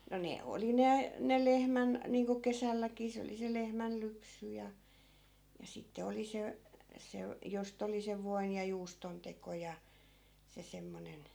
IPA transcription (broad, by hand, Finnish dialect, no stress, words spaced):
no ne oli ne ne lehmæn niːŋko kesælːækiː se oli se lehmælːypsy jɑ jɑ sitːe oli se se jost oli seʋ ʋoin jɑ juːston teko jɑ se semːonen